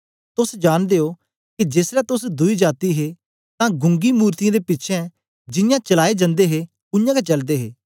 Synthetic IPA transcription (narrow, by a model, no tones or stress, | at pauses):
t̪ʊsd͡ʒaːnd̪eːoː | kid͡ʒeːsɾɛt̪ʊsd̪ʊid͡ʒaːt̪iɦe | t̪ãːɡʊ̃ŋɡimuːɾt̪ijãːd̪epɪtːʃʰɛ̃ | d͡ʒɪjãːt͡ʃəlaːed͡ʒə̃nd̪eɦe | ʊ̃jãːket͡ʃɐld̪eːɦeː